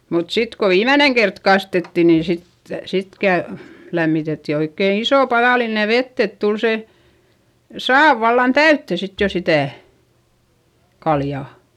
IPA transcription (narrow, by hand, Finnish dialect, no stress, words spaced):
mut sit ko ʋiːmæneŋ kert kɑstetːi nin̞ sit sit kæ læmːitetːi oikːeˑn isoˑ pɑðɑˑline ʋetː et tul se sɑːʋ ʋɑlːɑn tæytːe sit jo sitæˑ kɑljɑˑ